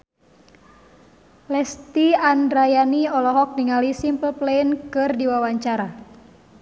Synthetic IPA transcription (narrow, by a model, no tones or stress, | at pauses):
lɛst̪iandɾajaniɔlɔɦɔk̚niŋalisimpəlplɛinkɨrdiwawaɲt͡ʃaɾa